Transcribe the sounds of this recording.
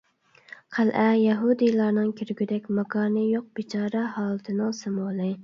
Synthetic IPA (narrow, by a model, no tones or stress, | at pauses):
qʰælʔɛjɛɦud̪ɨjlˠɑɾnɨŋkʲʰyɾɡʲyd̪ɛkʲmɑkɑːɾnɨjoq̚b̥ɪt͡ʃʰɑːɾɛɦɑːlˠɨt̪ʰɨnɨŋsɨmolˠɨ